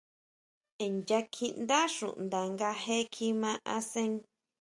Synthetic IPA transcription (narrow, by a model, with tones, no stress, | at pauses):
e˨nd͡ʒa˧kʰi˦˧nd̪a˦ʃṵ˨ʔnd̪a˨ŋɡa˧ɦe˦kʰi˧mã˧ʔa˧sẽ˦ŋ